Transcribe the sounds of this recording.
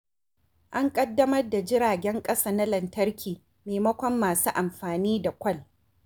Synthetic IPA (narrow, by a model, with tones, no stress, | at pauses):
ʔa˦ŋkʼɐ˦dːɐ˦mɐ˦rda˨d͡ʒɪ˦ɽaː˨ɡʲɛ˦ŋkʼɐ˦saː˨na˦lɐ˨ntɐ˦rkʲiː˨ | meː˨mɐ˦kʷɔ˦mːaː˨suː˦ʔa˨mɸaː˨niː˦da˨kʷɐ˦˨l